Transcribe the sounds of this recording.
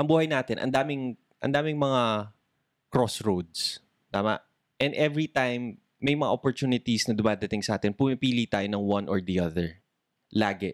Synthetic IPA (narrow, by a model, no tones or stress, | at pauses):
ʔɐŋbuːhɐjnaːt̪ɪnʔɐ̰nd̪aːmɪŋ | ʔɐ̰nd̪aːmɪŋmɐŋa | kɹosɹowd̪̚s | t̪aːmɐ̰ʔ | ʔɛnd̪ʔɛvɹit̪ajmː | ɐjmɐŋa̰ʔopoɹt̪uːnɪt̪isnɐd̪ʊmaːd̪ɐt̪ɪŋsɐʔaːt̪ɛnpumipiːlit̪aːjonɐŋwɐ̃nʔɔɹd̪iʔɐðɛɹ | laːɡɛ